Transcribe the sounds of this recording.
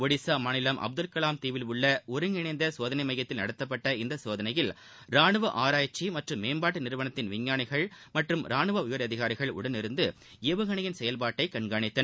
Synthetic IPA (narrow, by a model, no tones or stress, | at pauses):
ɔɽɪsaːmaːnɪlɐmʔɐ̰b̚d̪ɯlkɐlaːmt̪iːʋɪlʊɭːɐɔɾɯŋɡɪɳɐɪnd̪ɐsoːðɐnɐɪmɐjɐt̪ːɪlnɐ̰ɽɐt̪ːɐpːɐʈːɐɪnd̪ɐsoːðɐnɐjɪl | ɾaːnɯʋɐʔaːɾaːjt͡ʃːimɐʈrɯmːeːmbaːʈːɯnɪɾɯʋɐnɐt̪ːɪnʋɪɲːaːɳɪɣɐɭmɐʈrɯmɾaːɳɯʋɐʊjɐɾɐðɪɣaːɾɪɣɐɭʊ̰ɽɐnɪɾɯnd̪ɯ | eːʋɐɣɐɳɐjɪnsɛjɐlpaːʈːɐɪkɐɳɡaːɳɪt̪ːɐ